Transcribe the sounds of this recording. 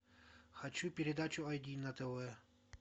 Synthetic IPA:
xɐt͡ɕupʲɪɾʲɪd̪at͡ɕʊɐjd̪ʲinɐt̪ɐvɛ

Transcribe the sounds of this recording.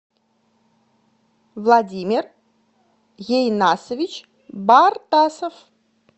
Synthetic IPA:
vlˠadʲimʲɪr | jejnasəvʲit͡ɕ | bart̪asəf

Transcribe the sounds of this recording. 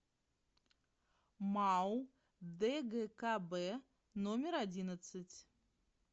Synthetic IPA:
maw | d̪ɛɣɛkabɛ | nɔmʲɛɾad͡zʲinɐt̪sɐt͡sʲ

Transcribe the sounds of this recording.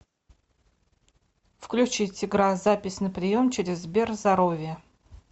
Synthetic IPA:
fklʲʉt͡ɕitʲɪɡɾazapʲɪsʲnəpɾʲɪjo̞mt͡ɕɪɾʲɪzbʲerzd̪ɐɾovʲɪjə

